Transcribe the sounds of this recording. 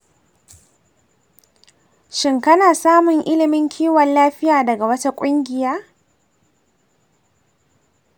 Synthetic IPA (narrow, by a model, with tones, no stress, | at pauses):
ʃɪ˨ŋkɐ˦naː˨saː˦mʊ˨ŋʔɪ˦lɪ˨mɪ˦ŋkʲʰiː˦wɐ˨nlaː˦ɸɪ˦jaː˨dɐ˨ɡa˨wɐ˦ta˦kʷʼʊ˦ŋɡʲɪ˨jaː˦